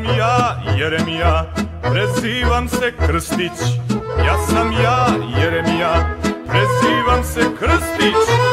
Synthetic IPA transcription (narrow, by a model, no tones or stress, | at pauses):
mjajeɾemijapʰɾesiʋɐmsɛkʰɾɨst̪it͡ʃʰjasɐmjajeɾemijapʰɾesiːʋɐmsɛkʰɾɨst̪it͡ʃʰ